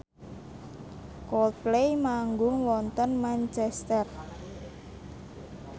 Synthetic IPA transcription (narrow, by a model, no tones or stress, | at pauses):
kɔlt̪̚plejmaŋɡʊŋwɔnt̪ənmant͡ʃɛst̪ɛr